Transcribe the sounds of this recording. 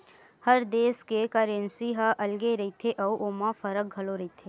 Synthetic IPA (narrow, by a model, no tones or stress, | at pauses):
hɐɾd̪eːskekəɾẽnsiɦaʔɐlɡeɾɐɦit̪ʰeʔɐuʔoːmãfɐɾək̚ɡʱɐloɾɐɦit̪ʰeː